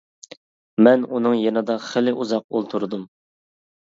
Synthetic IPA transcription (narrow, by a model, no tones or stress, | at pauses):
mɛnunɨŋjenɨd̪ɑχɪlɪʔuzɑq̚ulˠt̪ʰuɾɨd̪um